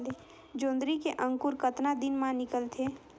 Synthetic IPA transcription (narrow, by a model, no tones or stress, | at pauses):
le | d͡ʒõːnd̪ɾikeʔə̃ŋkuɾkət̪nad̪ɪnmãnɪkəlt̪ʰe